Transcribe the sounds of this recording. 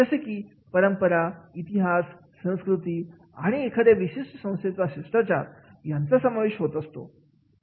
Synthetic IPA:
d͡zəsekiː | pəɾəmpəɾait̪iɦasː | ə̃w̃skɾut̪i | a̰ɽ̃iekʰəd̪eʋiɕeʂʈəsə̃w̃st̪et͡saɕiʂʈat͡ɕa̰jant͡sasəmaʋeɕɦot̪əst̪o̰

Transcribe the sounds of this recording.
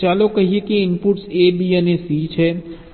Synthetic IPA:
t͡ʃaːlokɐɦiekiɪnpuʈseːbʱiənesiːt͡ʃʰɛː

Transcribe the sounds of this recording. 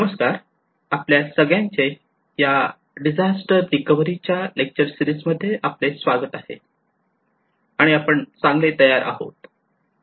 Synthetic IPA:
nəməskaɾ | apljasəɡɭjãɲt͡se | ja | ɖid͡zasʈəɾːikəʋəɾit͡ɕjalek̚t͡ɕəɾsiɾisməd̪ʱːjeʔaplesʋaɡət̪ahḛ | aɽ̃iapəɳt͡sãŋɡlet̪əjaɾʔa̰ɦo̰t̪

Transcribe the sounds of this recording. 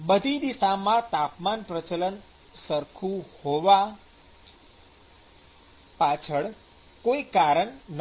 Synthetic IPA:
bəd̪ʱid̪isamãt̪apmanpɾət͡ʃələn | səɾkʰuhoʋa | pat͡ʃʰəɭ | koikaɾəɳn

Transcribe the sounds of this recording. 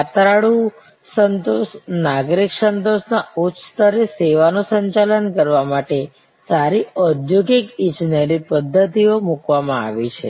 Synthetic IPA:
at̪ɾaɽu | sənt̪osnaɡɾiksənt̪osnaut̪st̪əɾeseʋanũsəɲt͡ʃalənkəɾʋamaʈe | saɾiəd̪joɡikit͡ʃnelipəd̪ʱːət̪iomukʋamãa̰ʋit͡ʃʰḛ

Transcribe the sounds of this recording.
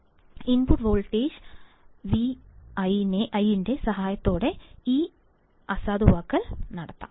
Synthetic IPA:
inbuʈʋoːɭʈːeːd͡ʑ | ʋiɐjineʔɐjinde̞sɐɦaːjɐt̪ːo̞ːɽe̞iː | ɐsaːd̪uʋaːkːɐlnɐɽɐt̪ːa̰ː

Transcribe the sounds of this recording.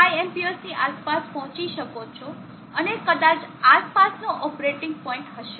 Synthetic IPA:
ajɛmpiosniʔaspaspɔɦɔ̃t͡ʃiʃəkot͡ʃʰo | ənekəd̪at͡ʃaspasnoʔɔpɾeʈɪ̃ŋɡ̚pɔɪ̃ɳʈɦəʃe

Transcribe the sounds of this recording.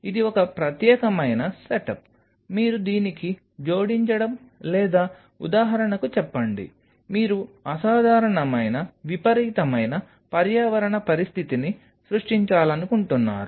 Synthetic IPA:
id̪iɔkɐpɾɐt̪jɛːkɐmɐjnɐseʈɐp | miːɾud̪iːniki | d͡ʒo̞ːɽiɲt͡ʃɐɽɐm | lɛːd̪aː | ṵd̪aːɦɐɾɐɳɐkut͡ʃɛpːɐɳɖḭ | miːɾuɐsaːd̪ʱaːɾɐɳɐmɐjnɐʋipɐɾiːt̪ɐmɐjnɐ | pɐɾjaːʋɐɾɐɳɐpɐɾist̪ʰit̪ini | sɾuʂʈiɲt͡ʃaːlɐnukuɳʈunːa̰ːɾu

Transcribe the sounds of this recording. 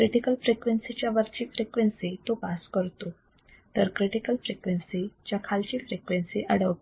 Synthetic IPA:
kɾiʈikəlfɾekʋensit͡ɕjaʋəɾt͡ɕiːfɾekʋensit̪opaskəɾt̪o | t̪əɾkɾiʈikəlfɾekʋensit͡ɕjakʰalt͡ɕifɾekʋensiʔəɽəʋ

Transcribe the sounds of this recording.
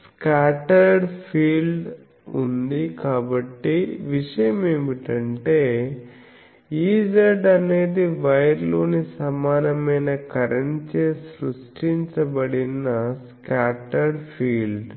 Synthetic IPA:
skaːʈɐɾɖpʰiːlɖ | und̪ikaːbɐʈːiʋiʂɐjɐmeʋiʈɐɳʈeː | iːd͡ʒɐɾɖɐne̞ːd̪iʋɐjɐɾloːnisɐmaːnɐmɐjnɐkɐɾɐɲt͡ʃeːsɾusʈiɲt͡ʃɐbɐɽinːɐskaːʈɐɾɖpʰiːlɖ

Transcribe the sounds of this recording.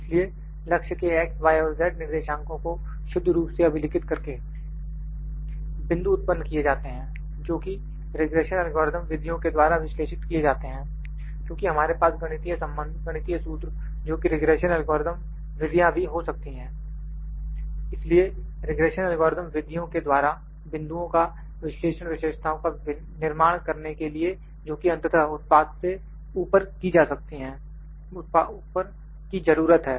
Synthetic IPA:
ɪslie | lɐkʃəkeɛːk̚sʋaːjoːlzɛːʈ̚nɪɾd̪eːʃãːŋkõko | ʃʊd̪ʱːɾuːpseɐbʱɪlɪkɪt̪kɐɾke | bɪ̃nd̪uʊt̪̚pənːkijed͡ʒaːt̪eɦɛ̃ː | d͡ʒoːki | ɾɪɡɾeːʃənɛlɡɔːɾd̪əmʋɪd̪ʱjõked̪waːɾaʋɪʃleːʃɪt̪kied͡ʒaːt̪eɦɛ̃ː | kjõːkiɦɐmaːɾepaːsɡɐɽ̃ɪt̪ijasɐ̃mbə̃nd̪ʱɡɐɽ̃ɪt̪iasuːt̪ɾ | d͡ʒoːkiɾɪɡɾeːʃənɛlɡɔːɾɪd̪əm | ʋɪd̪ʱijãbʱiɦosɐk̚t̪iɦɛ̃ː | ɪslieɾɪɡɾeːʃənɛlɡɔːɾd̪əmʋɪd̪ʱjõked̪waːɾa | bɪ̃nd̪uõka | ʋɪsleːʃəñʋɪʃeːʃt̪ʰaõka | nɪɾmaːɽ̃kɐɾnekelie | d͡ʒoːkiɐ̃nt̪ət̪ʰəʊt̪̚paːt̪se | uːpəɾkid͡ʒaːsɐk̚t̪iɦɛ̃ː | ʊpaupəɾ | kizɐɾuːɾət̪ɦɛː

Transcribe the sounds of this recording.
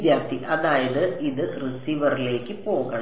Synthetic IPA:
d̪jaːp̚t̪iʔɐðaːjɐðɨiðɨrisiːʋɐrile̞ːkːɨpo̞ːɣɐɳ

